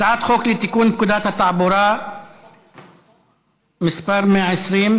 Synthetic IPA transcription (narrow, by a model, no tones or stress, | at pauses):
saʕaːt̪xoːklit̪akuːnkʊd̪aːt̪at̪ɑʕbʊɾˤɑː | mɪsbɑɾˤmeʕɪsɾiːn